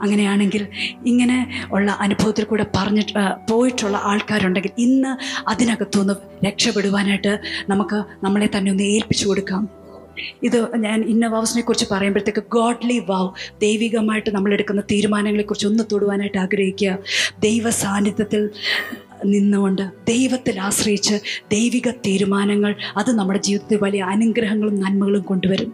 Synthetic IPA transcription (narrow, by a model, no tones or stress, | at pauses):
ɐŋːɐne̞jaːɳe̞ŋɡiliŋːɐne̞oɭːɐʔɐnubʱɐʋɐt̪ːilkuːɽe̞pɐrɐɲːipo̞ːjiʈːuɭːɐ̰ʔaːɭkaːɾmuɳɖe̞ŋɡilinːɨɐðinɐɣɐt̪ːoːnːu | ɾe̞kʂɐpːeɽuʋaːnaːjʈːɨnɐmukːɨnɐmːɐɭe̞t̪ɐnːe̞o̞nːɨe̞ːlpi̥t͡ɕːuko̞ɽukːaːm | iðɨɲaːninːɐʋaːʋɐsɐnɐekːurit͡ɕːɨpɐrɐjambɐɾɐt̪ːe̞kːɨɡoːɖliʋɐwd̪e̞jʋiɣɐmaːjiʈːɨnɐmːɐɭe̞ɽukːunːɐt̪iːɾumaːnɐŋːɐɭekːurit͡ɕːo̞nːɨt̪oːɽuʋaːnaːjiʈːɨaːɡɾɐhikʲːuɣɐd̪e̞jʋɐsaːnːit̪jɐt̪ːil | ninːuʋoɳɖɨd̪e̞jʋɐt̪ːilaːɕrɐjit͡ɕːɨd̪e̞jʋiɣɐt̪iːɾumaːnɐŋːɐɭɐðɨnɐmːuɽe̞d͡ʑiːʋiðɐt̪ːilʋɐlijɐːnuŋɡɾɐɦɐŋːɐɭumnɐnmɐɣɐɭumko̞ɳɖuʋɐɾum